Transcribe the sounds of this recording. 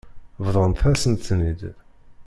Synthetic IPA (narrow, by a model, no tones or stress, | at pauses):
vðˤʁənt̪θæsənt̪θnid̪